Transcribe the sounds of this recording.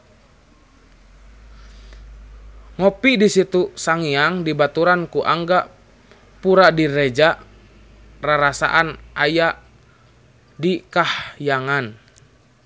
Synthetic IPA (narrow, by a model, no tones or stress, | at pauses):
ŋɔpidisit̪usaŋiaŋdibat̪uɾankuʔaŋɡa | puɾadiɾɛd͡ʒaʔ | raɾasa̰ʔanʔajaʔ | dikahjaŋan